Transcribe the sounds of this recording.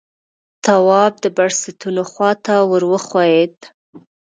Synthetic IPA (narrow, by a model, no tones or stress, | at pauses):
t̪awɑb̚d̪əbaɽsɪt̪unoxwɑt̪awəɾwəxwɑjed̪